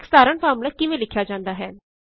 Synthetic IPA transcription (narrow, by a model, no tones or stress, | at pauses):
ksaːɾəɳfaːmlaːkɪʋẽːlɪkʰːjaːd͡ʒãːnd̪aːɦɛː